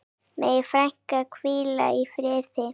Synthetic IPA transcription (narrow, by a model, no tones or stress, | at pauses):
mejfɾaŋ̥kakʰviːla̰ifɾeːθe